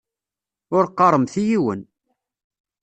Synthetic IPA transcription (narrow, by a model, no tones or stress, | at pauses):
ʊɾqːɑɾˤəmθijiwə̰n